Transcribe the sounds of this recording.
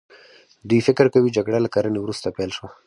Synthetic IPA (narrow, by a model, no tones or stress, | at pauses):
d̪ujfɪkəɾkawid͡ʒaɡɽalakaɾanewɾust̪apɛlʃwa